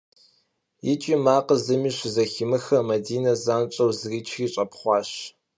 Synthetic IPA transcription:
jɪt͡ʃʼiːmaːqəzɨmiːɕɪzɐximɨxɐmɐdiːnɐzaːnt͡ʃʼɐwzriːt͡ʃʰxiːɕʼɐpʰχʷɑːɕ

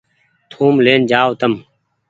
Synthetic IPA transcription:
t̪ʰuːmleːnd͡ʒaːot̪əm

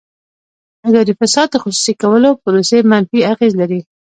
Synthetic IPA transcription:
ad̪ɑd̪ifasɑd̪d̪əxusu̥sikawəlopʊɾosemanfiaɣezlaɾi

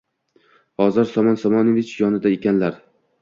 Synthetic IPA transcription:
hɒzɒɾsɒmɒnsɒmɒnovɪt͡ʃjɒnɪd̪aekʲanlaɾ

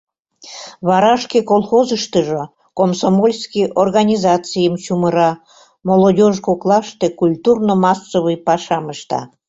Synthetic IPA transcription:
βɑɾɑʃkekolˠxozəʃt̪əʒo | komsomolʲskijʔorɣɑnʲizɑt͡sijəmt͡ɕuməɾɑ | molˠodʲoʒkoklˠɑʃt̪ekulʲt̪urnomɑsːoβɨjpɑʃɑməʃt̪ɑ̰

